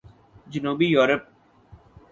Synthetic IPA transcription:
d͡ʒənuːbijoːɾəp̚

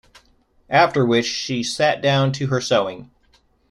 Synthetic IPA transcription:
ʔæftə˞wɪt͡ʃʃisæt̚d̥ãʊ̃ntʰɨə˞soʊɪ̃ŋ

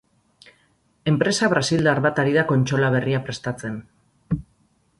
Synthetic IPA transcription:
e̞mpɾe̞saβɾasild̪aɾβat̪aɾiðako̞nt͡ʃo̞laβ̞e̞riapɾe̞st̪at͡se̞n

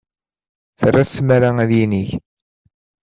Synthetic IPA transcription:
θrːaθsːmaɾaæðjiniç

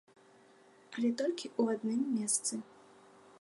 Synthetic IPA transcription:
alʲɛt̪ɔlʲkʲiʔuad̪nɨmːʲɛst̪sɨ

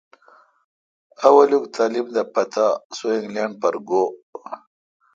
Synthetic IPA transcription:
awalukt̪ʰalimd̪apɐt̪ʰasoiŋɡlaɳɖ̚paɾɡo

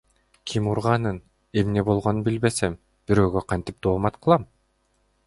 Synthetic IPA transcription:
kʰimuɾʁɑnɯn | e̞mne̞bo̞lˠʁo̞nunbilbe̞sem | b̥iɾø̞ːɡøqʰɑnt̪ip̚d̪oːmɑt̪qʰɯlˠɑm

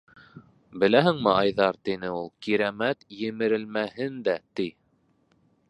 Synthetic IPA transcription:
bɘ̆læɦɘŋmɘɑjðɑɾt̪inɘulˠkiɾæmæt̪jɘ̆mɘ̆ɾɘ̆lmæhɘnd̪æt̪i

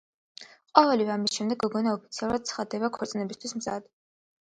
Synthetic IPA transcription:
qʼɔvɛlivɛamisʃɛmd̪ɛɡɔɡɔnaɔpʰit̪sʰialˠuɾad̪̚t̪sʰχad̪ɛbakʰɔɾt̪sʼnɛbist̪ʰwismza̰d̪̥

